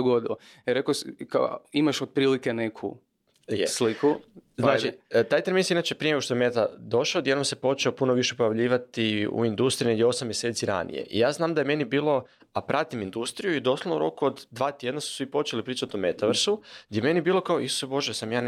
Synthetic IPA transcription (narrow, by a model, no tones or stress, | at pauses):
oɡod̪ilo | eɾekoskaimaʃod̪̚pɾiːlikenekʰṵ | jeslikuznaːt͡ʃit̪aːjt̪eminsiinaːt͡ʃepɾieneɡoʃt̪ojemet̪ad̪o̞ʃaod̪je̞d̪nomsepo̞t͡ʃeopuno̞ʋiʃe̞po̞jaʋʎiːʋat̪iṵind̪ust̪ɾineɡd̪ʲjeosamːjeset̪siɾa̰nḭje̞̰ʔḭjaːznaːmd̪ajeme̞nibiːlˠo̞ | apɾʔat̪imind̪ust̪ɾijuid̪o̞sloʋno̰ɾo̞̰kuod̪d̪ʋaːt̪je̞d̪nasu̥sʋipo̞t͡ʃe̞lipɾiːt͡ʃat̪ome̞t̪aʋɾsuɡd̪jeme̞nibiːlˠo̞kaoʔisu̥sebo̞ʒesamjaːn